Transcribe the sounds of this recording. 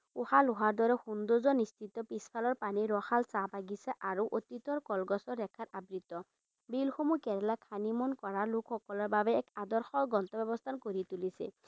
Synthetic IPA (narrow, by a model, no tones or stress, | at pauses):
uhalʊɦaɹd̪ɔɾɛxund̪ozɔnist͡ʃit̪ːɔpispʰalɔɹpaniɾɔxalsapaɡisɛʔaɹuʔot̪it̪ɔɹkɔlɡɔsɔːɛkʰatabɹit̪ɔ | bilxomukɛɾɛlakʰanimɔnkɔɹalukʰxɔkɔlɔɹbabɛːkad̪ɔɹxɔɡɔnt̪ɔbɛbɔst̪ʰankoɹit̪ulisɛ̰